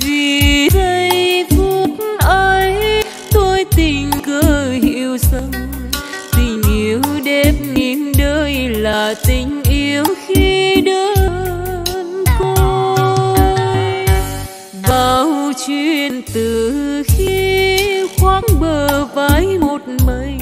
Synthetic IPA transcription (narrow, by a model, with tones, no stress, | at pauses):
vi˨˩ɗə˧jjt̪ʰu˧˦t̚n̩ʔəː˧j | t̪o˧jt̪ï˨˩ŋ̟kə˨˦hi˧əwsə˧ŋ | t̪ï˨˩ŋ̟ʔi˧əwɗe˧m̚ŋi˨˦nɗəː˧˦jlaː˨˩t̪ï˨˩ŋ̟ʔi˧əwxi˧ɗəː˨˦ | nko˧ | j | vaː˨˩wt͡ɕwi˧˩ənt̪ɨ˨˩xi˧ | xwaː˨˦ŋɓəː˨˩vaː˨˦jmo˨˩t̚mə˧˦j